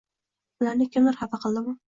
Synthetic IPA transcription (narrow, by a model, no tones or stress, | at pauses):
ʊlaɾnɪkʲʰɪmɪɾhafɑqʰɨlˠd̪ɪmʊ